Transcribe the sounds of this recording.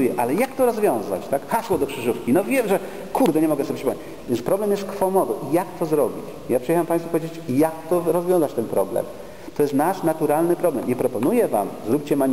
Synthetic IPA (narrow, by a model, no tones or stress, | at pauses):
jɛʔalɛjakt̪ɔɾɔzvʲjɔ̃w̃za̰t͡ɕt̪akxaswɔd̪ɔkʂɘʐufkʲinɔvʲjɛmʐɛ | kʰuɾd̪ɛɲɛmɔɡɛsɔbʲepʂɨpɔmɲet͡ɕ | vʲjɛnspɾɔblɛmjɛst̪kfɔmɔd̪ɔʔijakt̪ɔzɾɔbʲit͡ɕ | japʂɨjɛxampaj̃sfupɔvʲjed͡ʑet͡ɕjakt̪ɔɾɔzvʲjɔ̃w̃zat͡ɕt̪ɛnpɾɔblɛ̰m | t̪ɔjɛst̪naʂnat̪uɾalnɘpɾɔblɛmɲɛpɾɔpɔnujɛva̰mzɾup̚ʲt͡ɕɛma